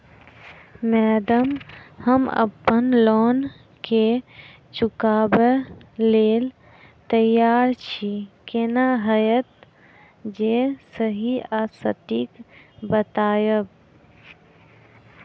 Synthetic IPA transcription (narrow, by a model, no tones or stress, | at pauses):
mɛːd̪əmhəmə̰pːənlɔːn | ke | t͡ʃukaːbeleːl | t̪əjːaːɾt͡ʃʰikenaɦəjət̪̚ | d͡ʒesəɦiaːsət̪ik | bət̪aːjəb